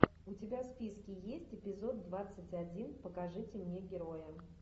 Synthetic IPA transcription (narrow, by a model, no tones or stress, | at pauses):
ʊtʲɪbʲaspʲiskʲɪjesʲtʲɪpʲɪzo̞d̪ːvat̪sɨtʲɐdʲinpəkɐʐɨtʲɪmnʲe̞ɡʲɪɾojə